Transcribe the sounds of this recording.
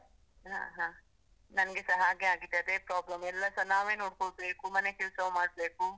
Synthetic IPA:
ɦa̰ːɦãː | nɐnɐɡesɐɦaːɡeaːɡid̪ːeɐd̪eːpɾaːblɐmɛlːɐsɐnaːʋeːnoːɽkoɭbe̞ːkumɐne̞kɛlsɐʋmaːɽ̚be̞ːku

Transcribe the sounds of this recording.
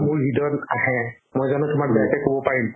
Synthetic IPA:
mʊɹɦidɔnaɦɛ | mojzanʊtʊmak̚bɛjakɛkobɔpaɹim

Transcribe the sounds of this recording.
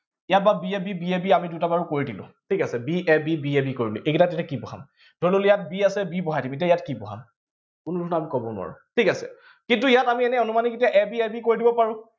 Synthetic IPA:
ijat̚babiebibiebiamidutabaɹukoɹidilʊ̰̃tʰikasɛbiʔɛbibiebikoɹiliʔekitatetakibɔɦa̰m | d̥ʱololijat̚biasɛbibɔɦajtdimet̬ijaijatkibɔɦa̰m | kʊnudʱʰɔnamikɔbɔnʊ̰wa̰ɹʊ̰tʰikasɛ̰ | kint̬uijatamiɛnɛɔnumaniket̬iaʔɛbiɛbikoɹidibɔpaɹũ

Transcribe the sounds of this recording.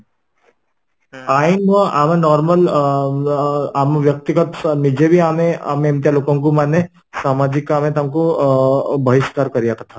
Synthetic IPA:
aːinʋə̃aːmẽnɔːɾməl | aːmʋjɐk̚t̪iɡət̪nid͡ʒebʱiaːmea̰meɐ̃mt̪jaloːkõŋk̬umanːe | saːmaːd͡ʒikːamẽt̪əmko | bʱɐɦɪʃkaːɾkɐɾijat̪ʰat̪ʰa

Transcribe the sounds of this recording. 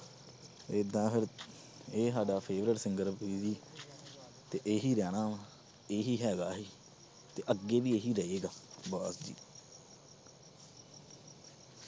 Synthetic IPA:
ed̪ãːpʰɪɾ | eːsaːɖaːpʰeːʋɾɪʈsɪŋɡəɾbiːziː | t̪eːʔeːɦiːɾɛːɽ̃aː | eːɦiːɦɛːɡaːɦiː | t̪eːʔəɡːeːʋiːeːɦiːɾəeːɡaːbaːsd͡ʒḭː

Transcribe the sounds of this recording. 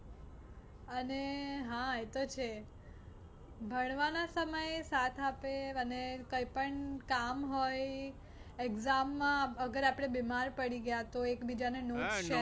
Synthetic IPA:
əneɦãet̪ot͡ʃʰe | bʱəɽ̃ʋanasəməjsat̪ʰapeənekəjpəɳkamɦoj | eɡzamːãəɡəɾapɽ̃ebemaɾpəɽiɡəjat̪oekbid͡ʒanenodt͡ʃe

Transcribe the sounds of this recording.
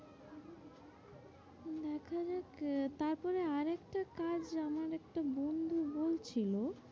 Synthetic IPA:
d̪ɛkʰad͡ʑakt̪aɾpɔɾeaɾɛkʈakad͡ʑamaɾɛk̚ʈabond̪ʱubolt͡ɕʰilo

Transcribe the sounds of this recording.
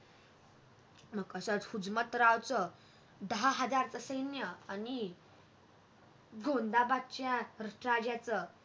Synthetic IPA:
məɡəsət͡shud͡zmət̪ɾawt͡sə | d̪əɦaɦəd͡zaɾt͡səsəjnjəani | ɡʱõnd̪abatt͡ɕjãɾəʂʈɾad͡ʑjat͡sə

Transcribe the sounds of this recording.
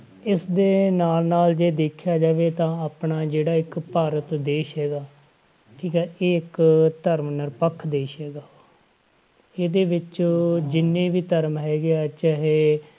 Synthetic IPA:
ɪsd̪eːnaːlnaːld͡ʒeːd̪eːkʰjaːd͡ʒaːʋeːt̪ãːaːpnaːd͡ʒeːɽaːɪkpaːɾət̪d̪eːʃɦɛːɡaː | ʈʰiːkɛːʔɪːɪkt̪əɾmnəɾpəkʰːd̪eːʃɦɛːɡaː | eːd̪eːʋɪt͡ʃːd͡ʒɪnːẽːʋiːt̪əɾmɦɛːɡeat͡ʃaɦeː

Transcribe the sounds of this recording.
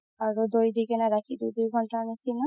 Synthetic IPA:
aɹud̪ojd̪ikɛnaɾakʰid̪ujd̪ujɡʱɔntanisina

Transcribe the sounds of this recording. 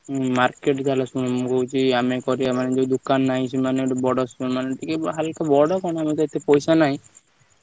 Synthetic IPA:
maɾkeʈd͡ʒ̪alasunmũkɔɦut͡ʃʰiamekɔɾiamaned͡ʒed̪ukanːaɦĩt͡ʃʰimaneʈbɔɽɔsmaneʈikeɦalkabɔɽɔkɔɽ̃amet̪ɔet̪ʰːepɔjsanaɦĩ

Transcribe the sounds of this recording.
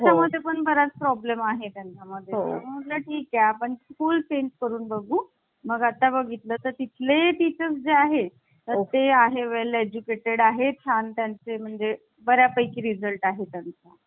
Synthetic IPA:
t͡ɕaməd̪ʱːjepəɳbəɾat͡spɾɔblemaɦet̪jãɲt͡ɕaməd̪ʱjeəməmət̪ləʈʰiːkjapəɳskuːlt͡ɕeɲd͡ʑkəɾuːnbəɡʱuː | məɡat̪ːabəɡʱit̪ləːt̪əɾt̪it̪ʰleʈit͡ɕəsd͡zeaɦe | t̪əɾt̪eaɦeʋeled͡ʑukeʈeɽaɦet̪ʰjant̪jant͡sem̤əɳd͡ze | bəɾjapəjkiːɾid͡zəlʈaɦet̪jant͡sa

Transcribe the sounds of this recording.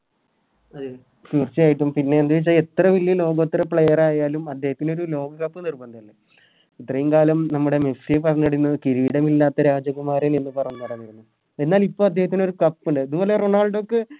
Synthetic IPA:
ɐðɨ | fiːrt͡ɕːijaːjiʈ̬ːumpinːe̞ːnd̪ɐʋit͡ɕːaːle̞t̪ːrɐʋilijɐlo̞ːɡot̪ːiɾɐpɭejɐraːjaːlumɐd̪ːe̞ːhɐt̪ːino̞ɾulo̞ːɡɐkɐpːɨnirbɐnd̪iɐlːe | it̪ːrɐjumkaːlɐmnɐmːuɽe̞mesiepɐrɐɲːuɽinːɐkiɾiʋiɽɐmilːaːt̪ːɐɾaːd͡ʑɐkumaːɾenenːɨpɐrɐɲːunɐɽɐɲːiɾunːu | e̞nːaːlipːo̞ːɐd̪ːehɐt̪̬ːino̞ɾukɐpːuɳɖɨɐðubo̞ːleroɳaːɭɖokːe

